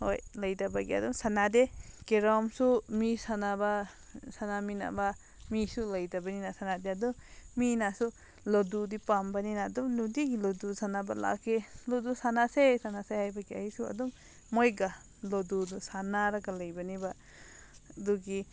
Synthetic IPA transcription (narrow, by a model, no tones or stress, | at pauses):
ho̰jlajdabaɡia̰duŋsanadekeɾɔmsumisanaba | sanamina̰ba | misulajdabaninasanadeadɔminasu | lɔdudipambaninaduŋludiɡilɔdusanaba̰la̰kʰelɔdusanasesanasehajbaɡia̰isua̰dɔŋ | mɔjɡa | lɔdudusanaɾaɡalajbaniba | duɡi